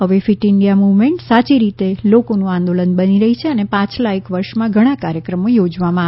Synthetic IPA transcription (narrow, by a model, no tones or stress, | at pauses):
ɦəʋefiʈɪɳɖijamuʋmeɳʈsat͡ʃiɾit̪elokonũãnd̪olənbəniɾəɦit͡ʃʰeənepãt͡ʃlaekʋəɾʃmãɡʱəɽ̃ãkaɾjəkɾəmojod͡ʒʋamãa